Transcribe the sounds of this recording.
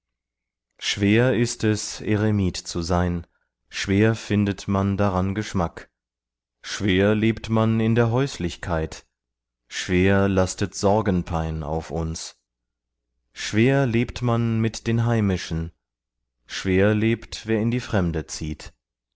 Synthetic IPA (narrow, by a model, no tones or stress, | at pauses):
ʃv̥eːɐɪstɛsḛʁemiːtt͡suzaɪn | ʃv̥eːɐfɪndətmandaʁanɡəʃmak | ʃv̥eːɐleːptmanɪndeːɐɦɔʏslɪçkʰaɪt | ʃv̥eːɐlastətz̥ɔɐɡən̩pʰaɪna̰ʊfʊns | ʃv̥eːɐleːptmanmɪtd̥eːnɦaɪmɪʃn̩ | ʃv̥eːɐleːptv̥eːɐɪndiːfʁ̥ɛmdət͡siːt